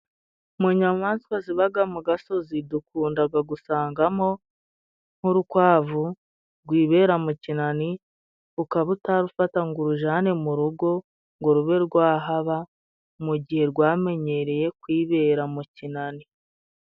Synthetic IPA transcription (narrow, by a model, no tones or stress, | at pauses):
muɲamaːnsi̥kwaziβaɡamuɡaso̞zidukuːndaɡaɡusaːŋɡamo̞ | n̥huɾukwaːvu | ɾɡwiːβe̞ːɾamucinani | ukaβutaɾufataŋɡuɾuʒaːnemuɾuɡo̞ | ŋɡoɾuβe̞ɾɡwaːɦaβa | muɟihe̞ɾɡwaːme̞ɲe̞ɾe̞je̞kwiːβe̞ːɾamucinani